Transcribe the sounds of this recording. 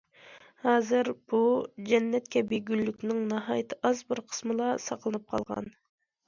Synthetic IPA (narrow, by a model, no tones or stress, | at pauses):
hɑːzɨɾb̥ud͡ʒɛnːɛt̪kʲɛbeɡʲylːykʲnɪŋnɑɦɑːjt̪ʰɨʔɑzbɨɾqʰə̥smɨlˠɑsɑqʰlˠɨnɨp̚qʰɑ̰lˠʁɑ̰n